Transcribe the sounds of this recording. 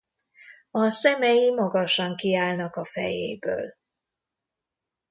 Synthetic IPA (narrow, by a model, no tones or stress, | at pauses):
ɒsɛmɛjimɒɡɒʃɒŋkiaːlnɒkɒfɛ̰jḛːbø̰ːl